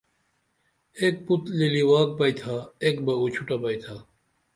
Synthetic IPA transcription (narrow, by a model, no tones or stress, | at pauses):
ek̚put̪liliwaːk̚pɐit̪ʰaekbɐut͡ɕʰuʈapɐit̪ʰa